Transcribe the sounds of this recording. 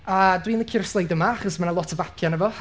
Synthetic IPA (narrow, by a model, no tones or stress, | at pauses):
adwiːnəkʰɪrslˠejdəmaaχɔsmanəlˠɔtʰəvapʰjanɛvɔ